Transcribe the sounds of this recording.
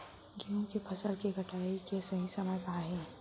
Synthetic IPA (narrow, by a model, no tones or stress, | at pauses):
ɡijõkipʰɐsəlkiɡʱɐʈaːikesɐɦisɐməjkaaɦɛ̃ː